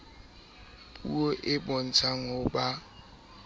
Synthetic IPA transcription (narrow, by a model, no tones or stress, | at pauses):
pʼṵoʔɪbɔn̩t͡sʰaŋʊba